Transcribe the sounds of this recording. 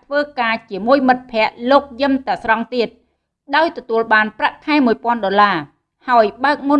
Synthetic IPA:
t̪ʰʋəːkaːt͡ɕiəmuəjmɨt̪̚pʰɛ̆əʔloːk̚jɨmt̪aəsrɑŋt̪iət̪̚ | ɗaɔjt̪ɔt̪uəlɓaːnpraʔk̪ʰaɛmuəjpŏənɗolaː | haɔjɓaək̚mu

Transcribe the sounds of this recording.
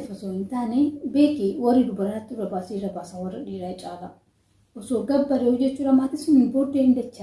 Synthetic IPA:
fɐsoːhɪnt̪aːnebe̞ːk̪iːwɐrːid̪ʊbɐɾnɐt̪ːɪɾɐbaːsiɾɐbaːsɐwɐrːɐᶑiːɾɐjt͡ʃʼaːlɐ | ʔɔsoːɡɐbːɐɾeɔd͡ʒːɛt͡ʃːuːɾɐmaːt̪ɪsʊnɪnboɾd̪eːhɪnd̪ɐt͡ʃːa

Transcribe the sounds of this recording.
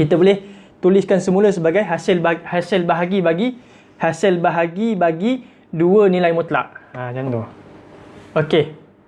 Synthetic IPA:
kit̪əbolɛh | t̪uliskansəmũləsəbaɡajɦasɪlbhasɪlbaɦaɡibaɡi | hasɪlbaɦaɡibaɡi | duənilajmũt̪la̰ʔad͡ʒant̪o | oke

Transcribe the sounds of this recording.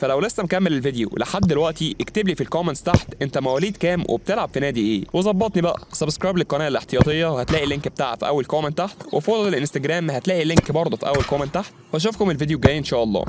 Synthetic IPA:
fælæwlesːæmkæmːelelved̪jo̰leħad̪ːelwæʔt̪iʔekt̪ebliːfilkomenst̪aħt̪ʔent̪æmæwæːliːd̪kæːmwʔḛb̚t̪elʕab̥finæːd̪iʔḛːwezˤɑbːɑt̪ˤnibæʔæ̰sæbskɾɑjblilkːɑnæːlelʔeħt̪ejɑt̪ˤejːɑwhæt̪læːʔilːiŋkbet̪aːʕfiʔæwːælkoːment̪ːaħt̪wefoːd̪ˤɑlelʔenst̪æɡɾæːmhæt̪læːʔilːeŋkbɑɾˤd̪ˤofiʔæ̰wːælkoːment̪ːaħt̪whæʃ̬ofkomelved̪joɡæːjːʔenʃæːʔɑlˤːɑ̰ː

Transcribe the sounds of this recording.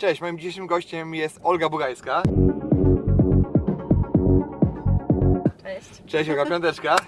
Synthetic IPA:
t͡ʂɛɕmɔjimd͡ʑiɕeʂɘmɡɔɕt͡ɕɛmjɛst̪ɔlɡabuɡajska | t͡ʂɛɕɔlɡapʲjɔnt̪̬ɛt͡ʂka

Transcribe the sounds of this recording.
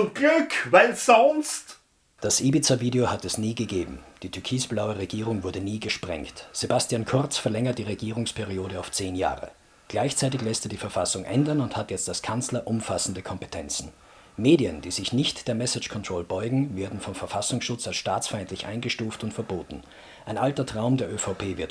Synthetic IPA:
ʊɡ̥lʏkvaɪlsɔnst | d̥asʔiːbit͡saviːdeohatɛsniːɡəɡeːbm̩d̥iːtʰʏɐkʰiːsb̥laʊəʁeɡiːʁʊŋvʊɐdəniːɡəʃpʁ̥ɛ̰ŋktz̥ebastiaːnkʰʊɐt͡sfɛɐlɛŋɐt̚d̥iːʁeɡiːʁʊŋspʰɛʁioːɾəaʊft͡seːnja̰ːʁə̰ | ɡ̥laɪçt͡saɪtɪçlɛstədiːfɛɐfasʊŋʔɛndɐnʊnthatjɛt͡staskʰant͡slɐʔʊmfasn̩dəkʰɔmpe̥tʰɛnt͡sn̩ | meːdiənd̥iːzɪçnɪçtd̥eːɐmɛsɪt͡ʃkʰɔntʁ̥oːlbɔʏɡŋ̩veːɐdn̩fɔmfɛɐfasʊŋsʃʊt͡salsʃtaːt͡sfaɪ̃ntlɪçʔa̰ɪnɡəʃtuːftʊntfɛɐboːtn̩ | ʔaɪnʔaltɐtʁ̥aʊmdeːɐʔøfaʊpʰeːvɪɐt

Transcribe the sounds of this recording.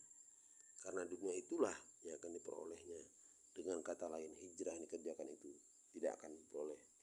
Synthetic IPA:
karənaduniait̪ulahjaŋakandipəɾo̰lɛhɲa | d̥əŋankat̪alaɪnhid͡ʒɾanikərd͡ʒakanit̪u | t̪ida̰a̰kandipəɾolɛh

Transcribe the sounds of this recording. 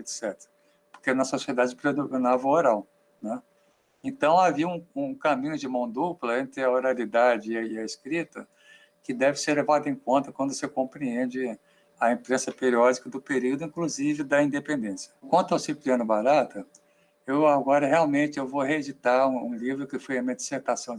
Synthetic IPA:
et̪sɛt̪eɾɐ | poɾkenɐsosied̪ad͡ʒɪpɾed̪oɡonavɐoɾaw | nɛ | ẽt̪ɐ̃w̃aviũũkamĩɲʊd͡ʒɪmɐ̃w̃d̪uplɐẽnt̪ɾɪɐoɾalid̪ad͡ʒɪːɐeskɾit̪ɐ | kɪd̪ɛvɪseɾlevad̪ɐẽkõnt̪ɐkwɐ̃nd̪ʊsɪkõpɾiẽd͡ʒɪ | ɐẽpɾẽsɐpeɾiɔd͡ʒikɐd̪ʊpeɾiwd̪ʊĩkluzivɪd̪ɐĩnd̪epẽnd̪ẽsiɐ̥kwɐ̃nt̪ʊawsipliɐ̃nʊbaɾat̪ɐ | ewaɡɔɾɐɦeawmẽt͡ʃɪewvoɦeed͡ʒit̪aũũlivɾʊkɪfojɐ̃mẽd͡ʒiseɾt̪asɐ̃w̃

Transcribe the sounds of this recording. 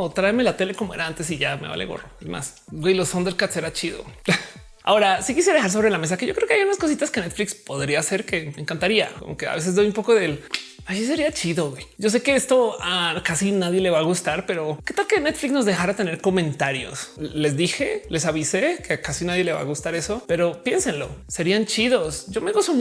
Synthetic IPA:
ot̪ɾaemelat̪e̞le̞ko̞moe̞ɾaant̪e̞s̬iʝameβa̰lʔeɣo̞̰roezma̰s | ɡwejlo̞sond̪e̞ɾkat̪se̞ɾat͡ʃiðo̞̰ | a̰o̞ɾasikisjeaðexaɾs̬o̞βɾe̞lame̞s̬ake̞ʝo̞kɾeokeajunasko̞s̬it̪askenet̪flikspo̞ðɾiase̞ɾke̞me̞ːŋkant̪aɾia̰ko̞̰mo̞ke̞a̰βe̞sezd̪o̞jumpo̞ko̞ðe̞l | aʃis̬e̞ɾiat͡ʃiðoɣwejɟ͡ʝo̞s̬e̞ke̞est̪o̞akasinaðje̞le̞βaɣust̪aɾpe̞ɾo̞ke̞t̪alkenet̪fliksno̞zðe̞xaɾat̪e̞ne̞ɾko̞mẽ̞nt̪aɾjo̞̰sle̞zðixe̞le̞saβisekeakasinaðje̞le̞βa̰ɣust̪aɾe̞so̞pe̞ɾo̞pje̞nse̞nlo̞̰se̞ɾiant͡ʃiðo̞sɟ͡ʝo̞meɣust̪om

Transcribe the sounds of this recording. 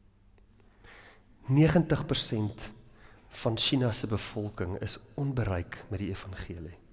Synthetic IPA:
niəχəntəχpərsɛnt | fɐnʃinɐsəbəfɔlˠkəŋə̰sɔnbəɾəjkmɛt̚diəfɐnχiəli

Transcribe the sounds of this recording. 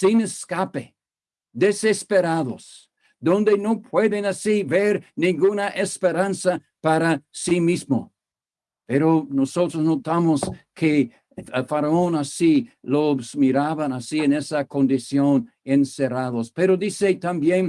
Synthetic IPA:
sineskape | d̪esespeɾaðos | d̪õnd̪enopweðenasiβeɾnĩŋɡunaʔespeɾansa | paɾasimismo̰ | peɾonosot̪ɾosnot̪amoskʰe | faɾaonasilosmiɾaβanasienesakõnd̪isjonenseraðospeɾoðiset̪ambjen

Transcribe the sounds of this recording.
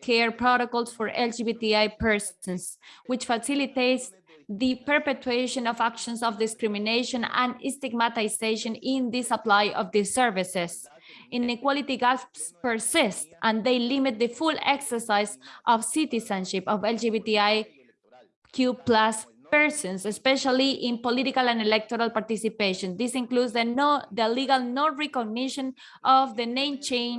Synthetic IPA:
kʰɛɹpɾɔɾokɔlˠsfɔɾʔɛld͡ʒibit̪iajpɛɹsɔ̃nswit͡ʃfasilit̪ejts | ðɨpɛɾpet̪ɹeʃɔ̃nɔvakʃɔ̃nsɔvd̪iskɾimĩneʃõnã̰nĩst̪iɡmat̪ajseʃõnĩnd̪ɨsaplajɔvðɨsɛɹvises | ĩnikwalit̪iɡalspspə˞sist̪ʔãnd̪ejlimit̪̚ðəfuleksə˞sajsʔɔfsit̪isãnʃipɔvɛld͡ʒiβit̪iaj | kʰjuplas | pɛɹsɔ̃nsespɛʃaliʔĩnpolit̪ikalãnelɛk̚t̪oɾalpaɾt̪isipeʃõnd̪isĩŋkludzððəliɡalnõnɹɛkoɡniʃɔ̃n | ʔɔvðənẽɪmt͡ʃẽn

